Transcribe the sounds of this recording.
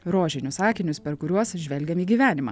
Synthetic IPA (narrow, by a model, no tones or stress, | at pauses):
ɾoːʒʲɪnʲʊsɑːkʲɪnʲʊspʲɛɾkʊɾʲuɔsʒʲʋʲɛlʲɡʲɛmiːɡʲiːʋʲæːnʲɪmɑ̰ː